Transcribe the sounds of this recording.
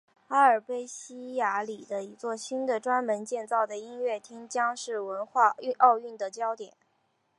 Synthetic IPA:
a˥ə˞˨˩pe˥ɪɕi˥ja˧˥li˨˩d̪ə˦i˧˥t͡swɔ˥˩ɕi˥nd̪ə˨ʈ͡ʂwa˥nmə˧˥nt͡ɕjɛ˥˧nt͡sɑ˥˩ʊd̪ə˩i˥nɥɛ˥˩t̪ʰi˥ŋt͡ɕjɑ˥ŋʂɻ̩˥˩wə˧˥nxwa˥˧y˥˧ʔɑ˥˧ʊy˥˩nd̪ə˩t͡ɕjɑ˥ʊt̪jɛ˨˩˦n

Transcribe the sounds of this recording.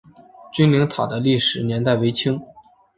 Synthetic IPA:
t͡ɕy˥nli˧˥ŋt̪ʰɑ˨˩d̪ə˦li˥˩ʂɻ̩˨˩njɛ˧˥nt̪a˥˩ɪwe˧˥ɪt͡ɕʰi˥ŋ

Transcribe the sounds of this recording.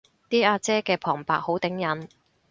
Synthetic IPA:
t̪iː˥ʔaː˧t͡sɛː˥kɛː˧pʰɔː˨˩ŋpa̰ː˨˥k̚ho˨˥wt̪ɪ˨˥ŋjɐ˨˥n

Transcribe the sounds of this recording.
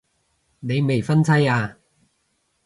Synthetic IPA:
ne˨˧jme˨jfɐ˥nt͡sʰɐ˥jaː˧

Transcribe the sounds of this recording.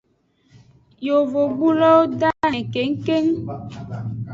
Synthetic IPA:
jo˨vo˨ɡ͡bu˦lɔ˦wo˦da˦nɛ˨ke˨˦ŋ̩˦ke˦ŋ

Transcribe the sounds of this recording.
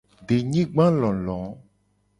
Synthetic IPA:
ɖe˨ɲĩ˦ɡ͡bã˦lɔ̃˨lɔ̃˨˦

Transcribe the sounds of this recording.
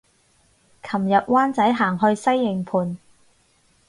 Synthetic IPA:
kʰɐ˨˩mjɐ˨t̚waː˥nt͡sɐ˨˥jɦaː˨˩ŋɦɵ˧ɥsɐ˥jːɪ˨ŋpʰuː˨˧n

